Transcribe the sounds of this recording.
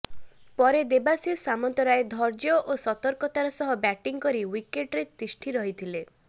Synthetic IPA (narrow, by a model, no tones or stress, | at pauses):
pɔɾed̪ebasisamɔnt̪ɔɾaed̪ʱɔɾd͡ʒjoʔosɔt̪ɔɾkɔt̪aɾɔsɔɦɔbɛʈiŋkɔɾiwikeʈɾet̪isʈʰiɾɔɦit̪ʰile